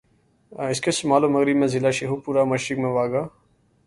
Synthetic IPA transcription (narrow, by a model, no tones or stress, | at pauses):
ɪskesʊmaːloːməɣɾibmẽːzɪlaːʃeɦoːpuːɾaːməʃɾɪkmẽʋaːɡaː